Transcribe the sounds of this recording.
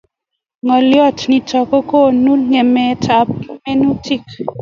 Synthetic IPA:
ŋɔ˨ljɔ˦˨tni˨tɔ˨kɔ˦ko˦˨nu˦ŋe˨mɛ˨˦tʰa˨˦p̚me˦nu˦ti˦˨k

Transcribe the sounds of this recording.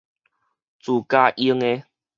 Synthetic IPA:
t͡su˨˩ka˦˧ʔi˦ŋe˦

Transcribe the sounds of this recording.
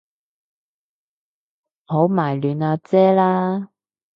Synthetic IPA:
ho˨˥wmaː˨˩jlyː˨naː˧t͡sɛː˥laː˥

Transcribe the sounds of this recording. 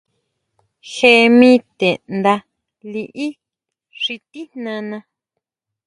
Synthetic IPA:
xe˧mĩ˦t̪e˨nd̪a˧ | li˧ʔi˦ | ʂi˧t̪i˦n̥nã˧nã˧

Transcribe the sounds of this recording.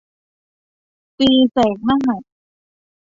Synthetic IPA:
piː˧sɛː˩˦ŋma˥˩ɦa˨˩t̚

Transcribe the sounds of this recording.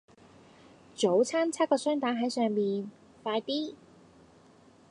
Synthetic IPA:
t͡ʃo˨˥wt͡sʰaː˥nt͡sʰaː˥kɔː˧sœː˥ŋt̪aː˨˥nɦɐ˨˥jsœː˨˧ŋmiː˨n | faː˧jt̪iː˥

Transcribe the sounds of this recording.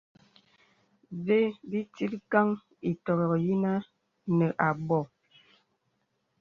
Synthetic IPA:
ve˦bi˦ti˦tka˦ŋ | i˨tɔ˨ɣɔ˨ɣji˦na˦ | nə˨ʔa˨bɔ˦˨

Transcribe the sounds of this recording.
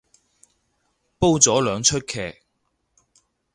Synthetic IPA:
po˥wt͡sɔː˨˥lœː˨˧ŋt͡ʃʰɵ˥t̚kʰɛː˨˩k̚

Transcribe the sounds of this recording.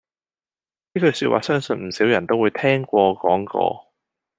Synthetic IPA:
niː˥kɵ˧syː˧t̚wa̰ː˨sœː˥ŋsɵ˧nm̩˨˩siː˨˥wjɐ˨˩nt̪o˥wuː˨˧jt̪ʰɛː˥ŋkʷɔː˧kɔː˨˥ŋkɔ̰ː˧

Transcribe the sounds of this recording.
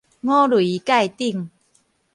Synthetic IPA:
ŋɔ̃˦lwi˨˦ka˥˧jt̪i˥˧˨ŋ

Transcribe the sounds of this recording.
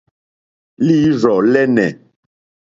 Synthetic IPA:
li˦ɾɔ˨lɛ˦nɛ˨

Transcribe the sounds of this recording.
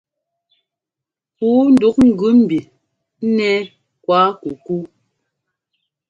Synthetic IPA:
puː˨˦n̩˨du˨˦k̚ŋ̩˦˨ɡʉ˨˦m̩˨bi˨˦ | nɛ˦ | kwa˦ku˨ku˦

